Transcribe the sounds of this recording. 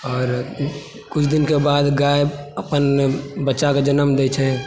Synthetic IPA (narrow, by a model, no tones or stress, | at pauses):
ɔːɾ | kʊt͡ʃʰd̪ɪnkebaːd̪ɡaːeəpənbətːt͡ʃaked͡ʒənəmd̪eːt͡ʃʰɛ̃